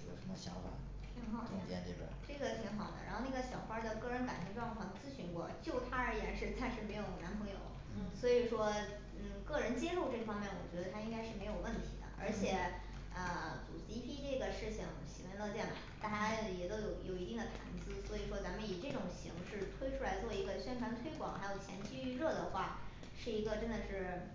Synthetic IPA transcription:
jo̰˨˩ʂə˧˥mə˧ɕjɑ̰˧˥ʊxa̰˥˩ | t̪ʰi˧˥ŋxɑ˨˩ʊt̪ʰd̪jɛ̰˥˧nt̪e˥˧˩ʈ͡ʂɤ˥˩ɡə˩t̪ʰi˧˥ŋxɑ˨˩ʊd̪ə̰˩ɻa̰˧˥nxo˥˧na˥˩ɡə˩ɕjɑ˨˩ʊxwa˥d̪ə˨kɤ˥˩ɻə˧˥nka˨˩nt̪ʰy˧˥ʈ͡ʂwɑ˥˧ŋfɑ˥˧˩ŋt͡sɹ̩˥ɕy˥nkwɔ̰˥˩t͡ɕjo˥˩ʊt̪ʰa˥ə˞˧˥jɛ˧˥nʂɻ̩˥˧t͡sa˥˧nʂɻ̩˥˩me˧˥ɪjo˧˩ʊ˩na˧˥npʰɤ˧˥ŋjo̰˨˩˦ʊ | swɔ˧˥i˨˩ʂwɔ˥ | n̩˥˩kɤ˥˩ɻə˧˥nt͡ɕjɛ˥lu˥˧ʈ͡ʂɤ˥˩fɑ˥ŋmjɛ˥˩nwɔ̰˨˩t͡ɕɥɛ˧˥d̪ə˧a˥i˥ŋka˥ɪʂɻ̩˥˩me˧˥ɪjo˨˩ʊwə˥˩nt̪ʰḭ˧˥d̪ə̰˧˦ʔə̰˞˧˥t͡ɕʰjɛ˨˩˦ | ə˧t͡sṵ˨˩si˥pʰi˥ʈ͡ʂɤ˥˩ɡə˩ʂɻ̩˥˩ɕi˨˩ŋɕi˨˩wə˧˥nlɤ˥˧t͡ɕjɛ˥˩nə˨˩t̪a˥˩t͡ɕaa˥jɛ˨˩t̪o˥ʊjo˨˧˩ʊjo˨˩ʊi˧˥t̪i˥˩d̪ə˩t̪ʰa̰˧˥nt͡sɹ̩˥swɔ˧˥i˨˩ʂwɔ˥t͡sa˧˥mə˧ni˨˩ʈ͡ʂɤ˥˩ʈ͡ʂʊ˨˩ŋɕḭ˧˥ŋʂɻ̩˥˩t̪ʰwe˥ɪʈ͡ʂʰu˥la˧˥ɪt͡swɔ˥˩i˧˥ɡə˧ɕɥɛ˥nkʰwa˧˥nt̪ʰwe˥ɪkwɑ̰˨˩ŋxa˧˥ɪjo˨˩ʊt͡ɕʰjɛ̰˧˥nt͡ɕy˥˧˥ɻɤ˥˩d̪ə˩xwa˥˩ | ʂɻ̩˥˩i˧˥ɡə˧ʈ͡ʂə˥nd̪ə˨ʂɻ̩˥˩

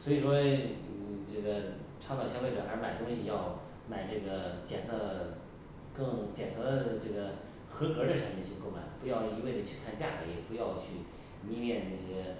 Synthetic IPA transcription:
swɔ˧˥i˨˩ʂwɔ˥˨˧ | ʈ͡ʂɤ˥˩ɡə˩ʈ͡ʂʰɑ˥ʊt̪ɑ˥˩ʊɕjɑ˥˧fe˥˩ɤ̰˨˩ʔə̰˞˧˥ma˨˩ɪt̪ʊ˥ŋɕi˨˩jɑ˥˩ʊ | ma˨˩ɪʈ͡ʂɤ˥˩ɡə˩t͡ɕjɛ˨˩nsʰɤ˥˩ | kɤ˥˩ŋt͡ɕjɛ˨˩nt͡sʰɤ˧˥ə˧ʈ͡ʂɤ˥˩ɡə˩ | xɤ˧˥kɤ˧˥d̪ə˧ʂɤ˧˥mɛ˧nt͡ɕʰy˥˧ko˥˩ʊma̰˨˩˦ɪpu˧˥jɑ˥˩ʊ˧˩i˧˥we˥˩ɪd͡zə˩t͡ɕʰy˥˧kʰa˥˧nt͡ɕja˥˩ke˧˥ɪ˨˩pu˧˥jɑ˥˧ʊt͡ɕʰy˥˩ | mi˥ljɛ˥˧nʈ͡ʂɤ˥˩ɕjɛ˥

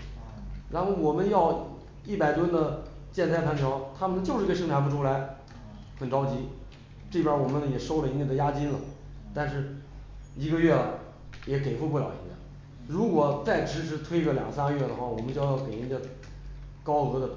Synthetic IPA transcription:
ɻa˧˥nxo˥˩wɔ˨˩mə˦njɑ˥˧ʊ | i˥˩pa˨˩ɪt̪wə˥nd̪ə˨ | t͡ɕjɛ˥˧nt͡sʰa˥ɪpʰa˧˥nʈ͡ʂʰɑ˧˥ʊt̪ʰa˥mə˨nt͡ɕjo˥˧ʂɻ̩˥˧˥ə˧ʂɤ˥ŋt̪ʰpu˧˩ʈ͡ʂʰu˥la˧˥ɪ | xə˨˩nʈ͡ʂɑ˥ʊt͡ɕi˧˥ | ʈ͡ʂɤ˥˩pʰʲjɐ˥wɔ˨˩mə˦njɛ˨˩ʂo˥ʊlə˨i˧˥n˧˩d̪ə˧ja˥t͡ɕi˥nlə˨ | t̪a˥˧nʂɻ̩˥˩ | i˧˥ɡə˧ɥɛ˥˩ | jɛ˧˥ke˨˩ɪfwu˥˧pu˥˩ljɑ̰˨˩ʊḭ˧˥nj̰n | ɻu˧˥kwɔ˨˩t͡sa˥˩ɪʈ͡ʂʰɻ̩˧˥ʈ͡ʂʰɻ̩˧˥t̪ʰwe˥ɪɡə˧˩ljɑ˨˩ŋɡə˧sa˥ŋə˧ɥɛ˥˩d̪ə˩xwa˥˩wɔ˨˩mə˦nt͡ɕjo˥˩ʊjɑ˥˩ʊke˨˩ɪi˧˥ndɛ˥˧ | kɑ˥ʊɤ˧˥d̪ə˨

